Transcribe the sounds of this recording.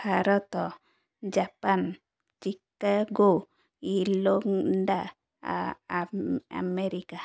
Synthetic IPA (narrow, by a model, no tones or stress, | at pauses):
bʱaɾɔt̪ɔ | d͡ʒapan | t͡ʃikːaɡo | iloŋɖa | a̰meɾika